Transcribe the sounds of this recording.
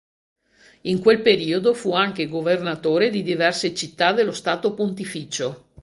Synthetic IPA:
iŋkwelpeɾiːod̪ofuaŋkeɡovernat̪oːɾed̪id̪ivɛrset͡ʃit̪ːad̪elːost̪aːt̪opont̪ifiːt͡ʃo

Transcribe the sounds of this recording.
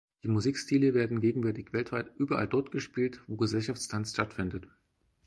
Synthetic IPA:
d̥iːmuziːkstʰiːləveːɐdn̩ɡeːɡŋ̩vɛɐtɪçv̥ɛltv̥aɪtʔyːbɐʔa̰ldɔɐtɡ̥əʃpiːltv̥oːɡəzɛlʃaft͡sstʰansʃtatfɪndət

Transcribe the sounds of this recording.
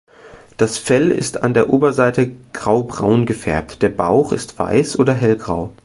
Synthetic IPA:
d̥asfɛlɪ̰sta̰ndeːɐʔoːbɐzaɪtəɡ̥ʁaʊbʁaʊnɡəfɛɐp̚td̥eːɐba̰ʊχɪ̰stv̥a̰ɪsʔoːdɐɦɛlɡʁa̰ʊ

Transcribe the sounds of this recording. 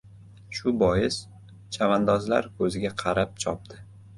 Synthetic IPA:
ʃʊbɒjɪs | t͡ʃʰavand̪ɒzla̰ɾkʰɵzɪɡʲaqʰɑɾap̚t͡ʃʰɒp̚d̪ɪ

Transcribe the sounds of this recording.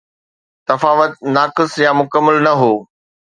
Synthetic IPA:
t̪ɐfaːʋət̪̚naːkɪsjaːmʊkəmːəlnɐɦoː

